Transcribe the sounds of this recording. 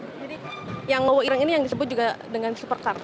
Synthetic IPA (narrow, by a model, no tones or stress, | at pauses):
d͡ʒadi | jaŋlowɔiɾaŋinijaŋdisəbʊt̪̚d͡ʒuɡadəŋansupərkar